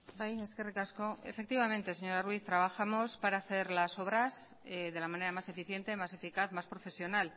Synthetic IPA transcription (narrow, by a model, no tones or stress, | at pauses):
bajeskerekaskoḛfe̞k̚t̪iβamẽ̞nt̪eseɲo̞ɾarwiθt̪ɾaβaxamo̞spaɾaːθe̞ɾlaso̞βɾaseðe̞lamãne̞ɾamase̞fiθje̞nt̪e̞mase̞fikaθmaspɾo̞fe̞sjo̞nal